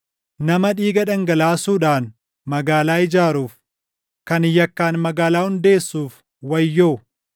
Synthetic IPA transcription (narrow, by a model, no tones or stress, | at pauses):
nɐmɐᶑiːɡɐᶑɐŋɡɐlaːsuːᶑaːn | mɐɡaːlaːɪd͡ʒaːɾuːf | kɐnɪjːɐkːaːnmɐɡaːlaːhʊnd̪e̞ːsːuːf | wɐjːoːʊ